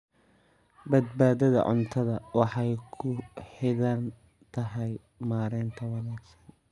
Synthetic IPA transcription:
bɐd̪̚baːðɐðɐ̰ʕʊ̰nt̪ʰɐðɐwɑħɑjkʰʊħɪðɐn | t̪ʰɐɦɛj | maːɾɛːnt̪ʰɐwɑnaːɡsɐ̥n

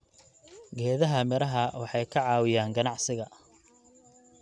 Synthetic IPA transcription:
ɡɛːðɐɦɐmɛɾɐɦɐwɑħɑjkʰɐʕɑːwɪjaːŋɡɐnɑʕsɪɣɐ

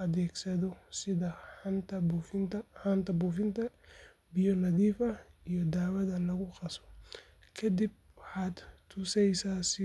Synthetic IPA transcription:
ɐðɛːɡsɐðɔsɪðɐnt̪ʰɐbfɪnt̪ɐhant̪ʰɐbuːfɪnt̪ʰɐ | bɪjɔlɐðiːfɐijɔd̪aːwɐðɐlɐɣʊqɑsɔ̥ | kʰɐd̪ib̚ | wħaːd̪t̪ʰʊsɛjsaːsɪ

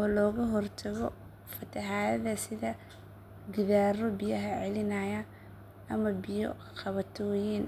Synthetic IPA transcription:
ɔːlɔːɣɐɦɔrt̪ʰɐɣɔ | fɐt̪ʰɐħaːjɐðɐsɪðɐ | ɡɪðaːɾɔbɪjɐɦɐʕɛlɪnajɐ | ɐmɐbɪjɔ̰ | qɑβɐt̪ʰɔjiːn

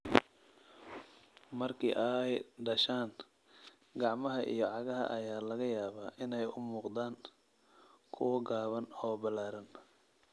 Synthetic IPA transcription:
mɐrkʰḭːʔɐjɖɐʃaːn | ɡɑʕmɐɦɐʔḭjɞʕɑɣɐɦɐ̰ʔɐjaːlɐɣɐjaːβaːʔɪnɛjʊmuːqd̪aːŋ | kʰʊwɐɡaːβɐnɔːbɐlaːɾɐn

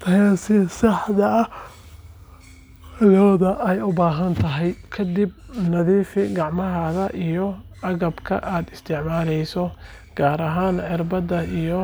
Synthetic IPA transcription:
t̪ʰɐjasɪsɑħðɐɐ | lɔːðɐʔɛjʊbaːɦɐnt̪ʰɐɦɛjkʰɐd̪ib̚nɐðiːfɪɡɑʕmɐɦɐðɐʔijɔ | ɐɣɐbkʰɐ̰ʔaːd̪ɪst̪ʰɪʕmaːlɛjsɔ | ɡ̥aːɾɐɦaːnʕɪrbɐd̪ɐijɔ

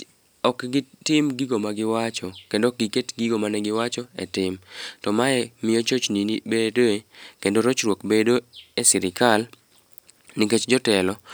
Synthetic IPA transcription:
ɔkɡɪtɪmɡiɡomaɡɪwat͡ʃɔkendok̚ɡiketɡiɡomanɛɡɪwat͡ʃɔḛtɪmtɔmaɛmɪjot͡ʃot͡ʃninibedoekendoɾot͡ʃɾwokbedoesɪɾɪkal | niket͡ʃd͡ʒɔtɛlɔ

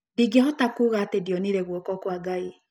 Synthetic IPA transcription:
diɡehɔtakuɣatediɔniɾɛɣwɔkɔkwaɡai

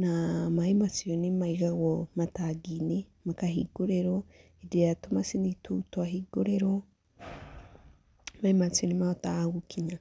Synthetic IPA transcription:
namahimat͡sionimaiɣaɣomataɡinemakaɦiɡ̥oɾeɾo | ideatomasinitutwaɦiɡoɾeɾo | mahimat͡sionimaotaɡukʰiɲa

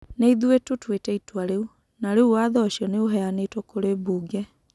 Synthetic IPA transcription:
neiðuwetotwetɛitwaɾeu | naɾeuwaðɔʃjɔneoɦɛjanetwokoɾebuːɡɛ

